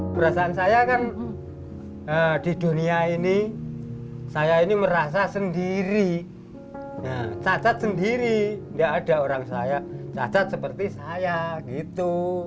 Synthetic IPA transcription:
pəɾasaːnsajakan | əd̥i̤d̥̪ṳniaini | sajainiməɾas̬asəndiɾi | jat͡ʃat͡ʃat̪̚səndiɾindaʔːd̥aoɾaŋsajat͡ʃa̰t͡ʃat̪̚səpərt̪isajaɡit̪u

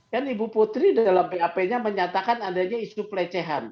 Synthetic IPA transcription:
janibupot̪ɾidalambeapeɲaməɲat̪akanadaɲaisupəlet͡ʃɛɦan

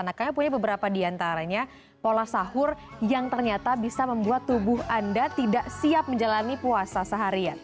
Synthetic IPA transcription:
anakamapuɲabəbəɾapadiant̪aɾaɲa | polasahʊrjaŋt̪ərɲat̪abisaməmbuat̪ːubʊɦʔandat̪idaʔsiap̚məɲd͡ʒalanipuasasəɦaɾian

